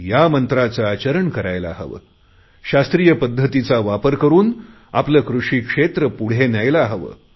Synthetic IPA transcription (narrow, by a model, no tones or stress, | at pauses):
jamənt̪ɾat͡səat͡ɕəɾəɳkəɾajla̰ɦə̰ʋə̰ː | ɕast̪ɾijəpəd̪ʱːət̪it͡saʋapəɾkəɾuːn | a̰pləːkɾuʂiːkʂet̪ɾəpuɽ̤enajlaɦəʋə̰